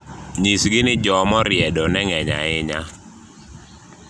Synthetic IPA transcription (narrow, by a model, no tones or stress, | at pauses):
ɲisɡɪnɪd͡ʒɔmɔɾjɛdɔnɛŋɛɲa̰ɪɲa